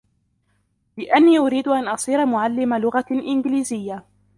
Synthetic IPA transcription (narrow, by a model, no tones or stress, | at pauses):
lɪʔanːiːʔʊɾiːd̪ʊʔanʔɑsˤiːɾamʊʕalːɪmalʊɣaʔɪnɡliːzɪjːa